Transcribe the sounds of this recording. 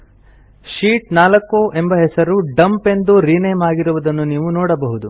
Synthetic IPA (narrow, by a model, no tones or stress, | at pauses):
ʃiːʈnaːlɐkːoʔe̞mbɐɦɛsɐɾuɖɐmpe̞nd̪uɾiːneːmaːɡiɾuʋud̪ɐnːuniːʋunɔːɽɐbɐɦud̪u